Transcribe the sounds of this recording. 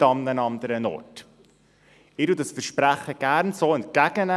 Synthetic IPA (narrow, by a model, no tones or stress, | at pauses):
ɑmnənɑnd̪əɾənɔ̰rt | ɪɾudɑsfəɾʃpɾæχəɡ̥æɾnsoːɛnt̚kæɡ̥ənæ